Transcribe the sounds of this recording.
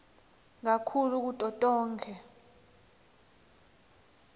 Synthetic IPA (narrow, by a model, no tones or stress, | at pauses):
ŋakʰuluk̬utʼɔtʼɔːŋkʰɛ